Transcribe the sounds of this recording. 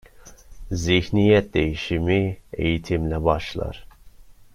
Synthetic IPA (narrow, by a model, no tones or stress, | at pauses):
zihnijɛt̪̚d̪ejiʃimiḛjit̪ʰimlɛbɑʃlˠɑ̰ɾ